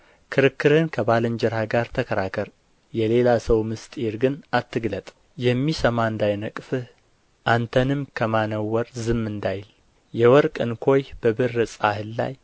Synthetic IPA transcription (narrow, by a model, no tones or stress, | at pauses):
kʰɨɾɨkːɨɾhɨnkʰəbalɨnd͡ʒɛɾhaɡaɾt̪ʰəkʰəɾakʰəɾ | jɛle̞lasəwmɨst̪ʼeɾɡɨnat̪ʰːɨɡlət̪ʼ | jɛmːisəmand̪ajnəkʼfɨh | ʔant̪ʰənɨmkʰəmanəwːɔɾzɨmːɨnd̪ajl | jɛwɔɾkʼɨnkʰo̞jb̥əbɨrːɨsʼahɨlːa̰j